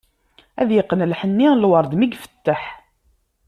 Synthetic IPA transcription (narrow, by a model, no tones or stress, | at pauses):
æðjɪqːənəlħənːilwəɾˤd̪miɡfə̥t̪ːaħ